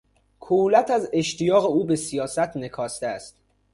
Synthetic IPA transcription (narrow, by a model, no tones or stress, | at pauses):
kʰolæt̪ʰæze̞ʃt̪ijɒːɣe̞uːbesijɒːsæt̪ʰne̞kʰɒːst̪eæst̪̚